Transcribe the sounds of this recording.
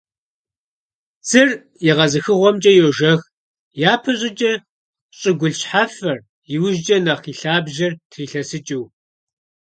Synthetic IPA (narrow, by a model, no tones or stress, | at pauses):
t͡sɨr | jɛʁɐzɨxɨʁʷɔmt͡ʃʼɐjoʒɐx | jaːpʰɐɕʼɪt͡ʃʼɐ | ɕʼɪɡʷʊɮɕħafɐr | jɪwʒd͡ʒʼɐnɐχiːɬaːbʒɐrtʰriːɬɐsɨt͡ʃʼɪw